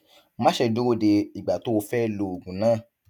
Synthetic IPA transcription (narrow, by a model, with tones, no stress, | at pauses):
mã˦ʃe˧do˦o˧de˧i˨ɡ͡ba˨to˨˦o˧fɛ˦lo˨o˨ɡũ˨nãː˦˨